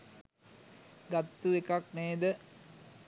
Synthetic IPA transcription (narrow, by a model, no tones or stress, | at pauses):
ɡat̪ːuekakneːd̪ə